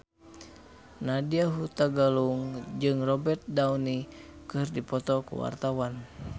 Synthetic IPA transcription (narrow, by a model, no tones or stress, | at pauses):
nadiaɦut̪aɡaluŋd͡ʒɨŋrɔbɛrt̪̚daunikɨrdipɔt̪ɔkṵwa̰rt̪awan